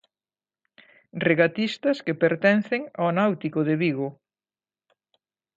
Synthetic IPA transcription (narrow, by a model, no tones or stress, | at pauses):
reɣat̪ist̪ɐskepeɾt̪ɛn̟θeŋanawt̪ikoðeβiɣʊ